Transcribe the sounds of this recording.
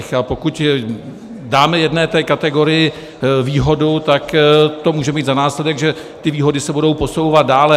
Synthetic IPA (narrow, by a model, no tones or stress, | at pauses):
xapo̞kuc | daːmɛjɛdnɛːt̪ɛːkat̪ɛɡo̞ɾɪjɪ | viːɦo̞dut̪akt̪o̞muːʒɛmiːt̪zanaːslɛdɛɡʒɛ | t̪ɪviːɦo̞dɪsɛbudo̞wpo̞so̞wvat̪̚daːlɛ